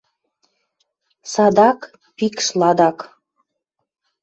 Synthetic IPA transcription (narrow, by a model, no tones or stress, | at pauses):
sɑd̪ɑk | pikʃlɑd̪ɑk